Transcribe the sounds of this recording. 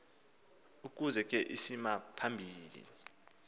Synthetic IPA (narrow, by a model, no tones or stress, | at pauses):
uk̬ʼuzɛk̬ʼɛʔisimapʰambʱiːlḭ